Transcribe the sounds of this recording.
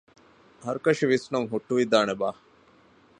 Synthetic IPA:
ɦɐɾukɐʃiʋisnɐŋɦuʈːuʋid̪aːnebaː

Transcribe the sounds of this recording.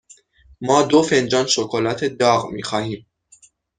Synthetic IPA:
mɒːd̪ofe̞nd͡ʒɒːnʃokʰolæt̪ʰed̪ɒːɣmḭːxɒːhiːm

